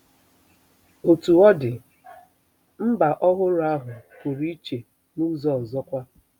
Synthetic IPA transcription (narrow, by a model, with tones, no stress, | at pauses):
o˨tu˨ɔ˦dɪ˨ | m̩˦ba˨ʔɔ˦ɦʊ˦ɾʊ˨˦a˦ɦʊ˨kʊ˨ɾi˦t͡ʃe˨ | nu˦zɔ˦˨zɔ˦kʷa˦